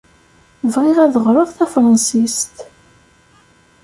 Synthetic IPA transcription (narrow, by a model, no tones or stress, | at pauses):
vʁɪʁæðəʁɾˤəðˤθæfɾˤɑnsist̪